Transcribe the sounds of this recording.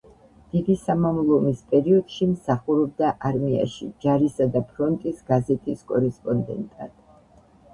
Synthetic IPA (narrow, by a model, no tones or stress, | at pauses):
d̪̥id̪isamamlˠɔmispʼɛɾiɔd̪̥ʃimsaχuɾɔb̚d̪aʔaɾmia̰ʃḭd͡ʒaɾisad̪apʰɾɔnt̪ʼisɡazɛt̪ʼiskʼɔɾɛspʼɔnd̪ɛ̰nt̪ʼa̰d̪̥